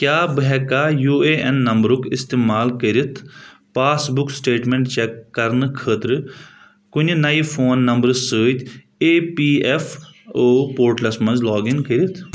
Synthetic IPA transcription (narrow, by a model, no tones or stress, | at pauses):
kjaːbɦɛkaːjuːeːɛnːɐ̃mbɾʊkɪst̪eːmaːlkəɾit̪ʰ | paːsbʊksʈeːʈmẽɳʈt͡ʃɛkːɐɾnkʰəːt̪ɾ | kʊnnaipʰoːnːɐmbəɾsəːt̪ʰ | eːpiːɛfʰoːpoːɾʈlɐsmɐ̃nzlɔːɡɪŋkəɾit̪ʰ